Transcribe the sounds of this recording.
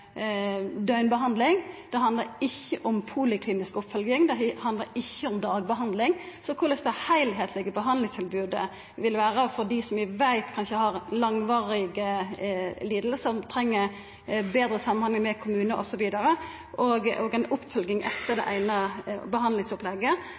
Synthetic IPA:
d̪œʏnbəɦɑnd̪lɪŋd̪̥ɛɦɑnd̪ləɾɪçːəʔɔmpʰuːlɪkʰliːnɪskʊpːfœlɡɪŋd̪ɛhɑnd̪ləɾɪçːəɔmd̪ɑːɡ̚bəɦɑnd̪lɪŋsɔkʰʊləsd̪ɛhæɪlɦeːt̪ʰlɛɡəbəɦɑnd̪lɪŋst̪ʰɪlbʉːd̪ə̰ | ʋɪlʋæːɾəfɔɾd̪ɪsɔmɪʋæɪt̪kʰɑnʃəhɑʁlɑŋʋɑːɾɪɡə | liːd̪l̩səɾt̪ʰɾɛŋːəɾ | beːd̪ɾəsɑmːənhɑnəŋmɛkʰʊmʉːnəɾɔ̰sɔʋiːd̪ɑɾə | ʔoːɡoɡɛnʊpːfœlɡɪŋʔɛt̪ːəɾd̪ɛ̰ʔæɪnəbəhɑnd̪lɪŋsʊpʰlɛɡːə

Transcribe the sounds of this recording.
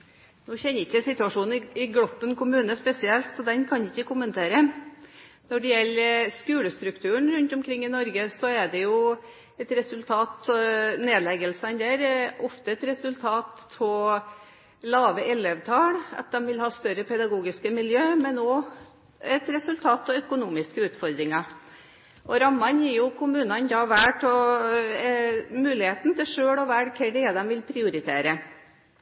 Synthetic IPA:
noːçɛnɪçːəsɪt̪ʉɑʂuːnnɪɡɽɔpːənkʰʊmʉːnəspɛsɪɛlt̪sɔd̪ɛnkʰɑnɪçːəkʊmːənt̪ʰeːɾə | nɔɖɛjɛlːskʉːləst̪ɾʉkt̪ʰʉːəɳɾʉnt̪ɔmkʰɾɪŋːɪnɔɾɡəsɔɛɖɛjʊ | ɛt̪ɾɛsʉlt̪ʰɑːt̪ːɔneːd̪lɛɡəlsɑnd̪æːɾɔft̪əɛt̪ɾɛsʉlt̪ʰɑːt̪ʰːɔ | lɑːʋəʔɛlɛʋt̪ʰɑːɽɑ̰t̪̚d̪ɛmʋɪlhɑːst̪œɾəpʰɛd̪ɑɡuːɡɪskəmɪljøːmɛnoː | ɛt̪ɾɛsʉlt̪ʰɑːt̪ʰːɔœkʊnuːmɪskəʉːt̪fɔɾd̪ɾɪŋɑ | ʔɔɾɑmːɑnjiːɾjʊkʰʊmʉːnɑnd̪ɑːʋæːʈɔ | mʉːlɪheːt̪nt̪ʰɛʂøːɽɔʋæːɽkʰɛɖɛɛd̪ɛmʋɪlpʰɾɪʊɾɪt̪ʰeːɾə

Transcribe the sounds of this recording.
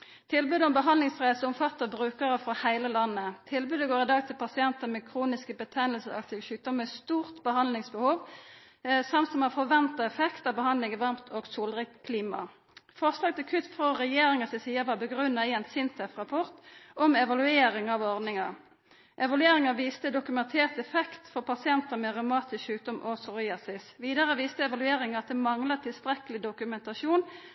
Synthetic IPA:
t̪ʰɪlbʉːd̪əɔmbəɦɑnlɪŋsʁæɪsəʊmfɑt̪ːəbʁʉːkəʁəfʁɑhæɪləlɑnːət̪ʰɪlbʉːd̪əɡoːʁɪd̪ɑːɡt̪ʰɪlpʰɑsɪɛnt̪əmɛkʰʁuːnɪskəbət̪ʰɛnəlsəɑ̰kt̪ʰɪʋəʃʉːk̚d̪̥ɔmːmɛst̪uːʁt̪bəhɑnd̪lɪŋsbəhuːʋ | sɑmt̪sɔmɑːfɔʋɛnt̪ɑɛfɛkt̪ɑʋbəhɑnd̪lɪŋəʋɑʁmt̪ʰoːɡsuːlʁɪt̪kʰliːmɑ̰ | fɔʁslɑːɡ̚t̪ʰɛkʰʉt̪fʁoʁɛjeːɾɪŋɑsɪsiːəʋɑːʁbəɡʁʉnːɑɪɛnsɪnt̪ʰɛfʁɑpʰɔʁt̪ɔmɛʋɑlʉeːɾɪŋɑʋɔʁd̪nɪŋɑ | ʔɛʋɑlʉeːʁɪŋɑʋiːst̪əd̪ʊkʉmɛnt̪ʰeːʁt̪ɛfɛkt̪fɔʁpɑsɪɛnt̪əʁmɛʁʉmɑːt̪ɪskʃʉːk̚d̪ɔmʔɔsʊʁɪɑsɪsʋiːd̪əʁəʋiːst̪əɛʋɑlʉeːʁɪŋɑt̪̚d̪ɛmɑŋlɑt̪ʰɪlst̪ʁɛkəlɪd̪ʊkʉmɛnt̪ɑsuːn

